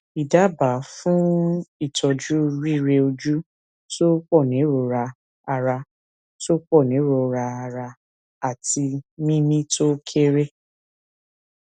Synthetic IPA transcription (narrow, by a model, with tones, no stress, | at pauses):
i˨da˨˦ba˨˦fũ˦i˦˨tʰɔ˧d͡ʒu˦ɾi˦˨ɾe˧o˧d͡ʒu˦ | to˦k͡pɔ˦˨nĩ˨˦ɾo˨ɾa˧ | a˧ɾa˧ | to˦k͡pɔ˦˨nĩ˨˦ɾo˨ɾa˧a˧ɾa˧ | a˨ti˧mĩ˦mĩ˦to˦kʰe˦ɾe˦